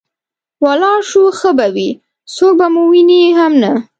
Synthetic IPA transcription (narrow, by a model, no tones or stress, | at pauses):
walɑʃuxəbawi | sok̚bamowiniɦamna